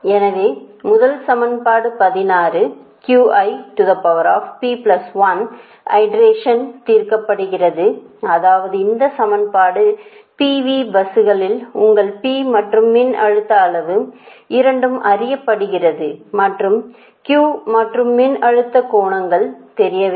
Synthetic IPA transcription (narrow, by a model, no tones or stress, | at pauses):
ɛnɐʋeːmʊðɐlsɐmɐnpaːɽɯpɐðɪnaːrɯkjuːʔɐɪʈʊðɐpɐʋɐɾa̰ːfpiːplɐsʋɐn | ɐ̰ɪɖɾeːʂɐnt̪iːrkɐpːɐɽɯɣɪrɐðɯɐðaːʋɐðɯɪnd̪ɐsɐmɐnpaːɽɯ | piːʋiːbɐsɯɣɐɭɪlʊŋɡɐɭpiːmɐʈrɯmːɪnɐɻɯt̪ːɐːɭɐʋɯɪɾɐɳɖɯmɐrɪjɐpːɐɽɯɣɪrɐðɯmɐʈrɯm | kjuːmɐʈrɯmːɪnɐɻɯt̪ːɐkoːɳɐŋɡɐɭt̪ɛɾɪjɐʋe